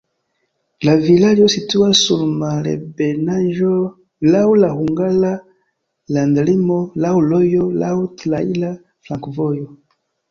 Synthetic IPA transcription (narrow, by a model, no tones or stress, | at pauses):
lavilaljɔsituasulmalɛ̰bɛnaʒɔ | laulahuŋɡala | landlimɔlaulɔjɔla̰utlaila | flãkvɔjɔ